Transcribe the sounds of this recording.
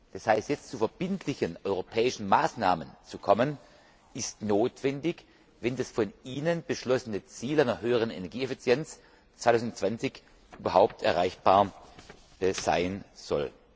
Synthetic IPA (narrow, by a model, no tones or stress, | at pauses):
d̥ashaɪstjɛt͡stt͡sufɛɐb̥ɪntʰlɪçənʔɔʏʁopʰɛːɪʃn̩maːsna̰ːmənt͡sukʰɔmən | ʔɪstnoːtv̥ɛndɪç | vɛndasfɔniːnənb̥əʃlɔsənət͡siːlaɪnɐɦøːəʁ̞ənḛnɛɐɡiːɛfit͡sjɛnt͡s | t͡sv̥aɪtʰaʊsndʊt͡sv̥ant͡sɪç | ʔyːbɐhaʊp̚tʰɛɐʁaɪçb̥aːɐ | z̥a̰ɪnz̥ɔ̰l